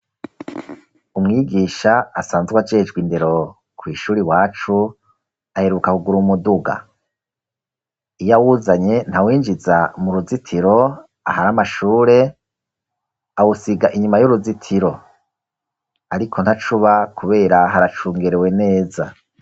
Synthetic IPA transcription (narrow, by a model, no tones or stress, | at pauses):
umŋiːɡiːʃaasaːnzɡwad͡ʒed͡ʒɡwinde̞ɾo̞ | kwiːʃuːɾiwaːt͡ʃu | ahe̞ɾukakuɡuɾumuduɡa̰ | ijawuzaɲe̞n̥hawiːnd͡ʒizamuɾuzitʰiɾo̞ | a̰haɾamaʃuːɾe̞ | awusiɡaʔiɲumajuɾuzitʰiɾo̞ | aɾikʰo̞nhat͡ʃuβakʰuβe̞ːɾaɦaɾat͡ʃuːŋɡeɾewe̞ne̞ːza